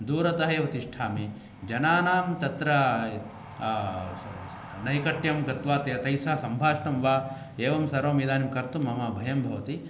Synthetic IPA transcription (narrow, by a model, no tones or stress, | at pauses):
d̪uːɾɐt̪ɐɦɐeʋɐt̪iʂʈʰaːmi | d͡ʒɐnaːnaːmt̪ɐt̪ɾɐ | nɐjkɐʈjɐmɡɐt̪ʋaːt̪ɐt̪ɐjsaːsɐmbʱaːʂnɐmʋaː | eːʋɐmsɐɾoːmiːd̪aːnimkɐɾt̪umɐmɐbʱɐjɐmbʱɐʋɐt̪i